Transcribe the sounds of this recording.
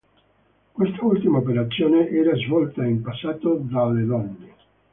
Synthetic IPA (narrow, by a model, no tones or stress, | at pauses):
kwest̪ault̪imaop̬eɾat̪sːjoːneʔɛːɾazvɔlt̪aimpasːaːt̪od̪alːelɔnde